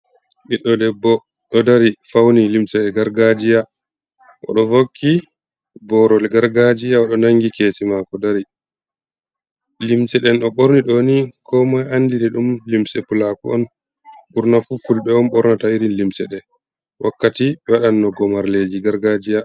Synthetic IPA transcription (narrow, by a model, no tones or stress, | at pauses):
ɓiɗːɔdɛbːɔ | ɗɔdaɾifawnilimsɛɗɛɡaɾɡad͡ʒija | ʔɔ̰ɗɔvokʰːi | bɔɾɔlɡaɾɡad͡ʒijaɔɗɔnaŋɡikeːsimakɔdaɾi | limsɛɗɛnɗɔɓoɾniɗonikʰɔmajanːdinɛɗumlimsɛpulakuɔ̰n | ɓuɾnafufulɓɛɔmɓɔɾnatawiɾinlimsɛɗɛ | wʔakːatiɓɛwaɗanːɔɡɔmaɾled͡ʒiɡaɾɡad͡ʒija